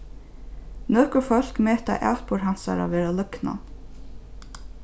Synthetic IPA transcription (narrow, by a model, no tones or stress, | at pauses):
nœːkʊɹfœl̥kmɛːt̪a̰ʔa̰ːwt̪pʊɾɦan̥sa̰ɾa̰ʋɛːɾalœkna̰